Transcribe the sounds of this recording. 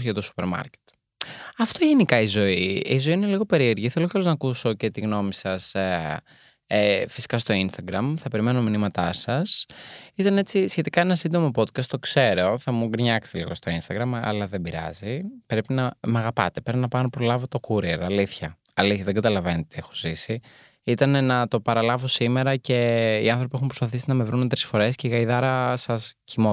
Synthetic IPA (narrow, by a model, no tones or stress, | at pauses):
set̪osu̥peɾmɐ̰ɾce̥t̪ | ɐft̪o̞ʝenikɐizo̞iizo̞iine̞liɣo̞pe̞ɾie̞ɾʝiθeloçɾoznɐkuso̞ce̞t̪iɣno̞misɐs | efi̥si̥kɐst̪o̞inst̪ɐɡɾɐmθɐpe̞ɾime̞nominimɐt̪ɐsɐsit̪ɐne̞t͡sisçe̞t̪ikɐe̞nɐsind̪o̞mo̞po̞t̪̚kɐst̪o̞kse̞ɾo̞θɐmuɡɾɲɐkst̪elḭɣo̞st̪o̞inst̪ɐɡɾɐmɐ̰lɐðebiɾɐ̰zipɾe̞pinɐmɐɣɐpɐt̪epɾepinɐpɐnopɾo̞lɐvo̞t̪okuɾieɾɐliθçɐ | ɐliθçɐðeɡɐt̪ɐlɐvenet̪eexo̥zisi | it̪ɐne̞nɐt̪o̞pɐɾɐlɐvosime̞ɾɐce̞iɐnθɾo̞piexumpɾospɐθisinɐme̞vɾunt̪ɾi̥sfo̞ɾe̞sce̞iɣɐiðɐɾɐsɐscimo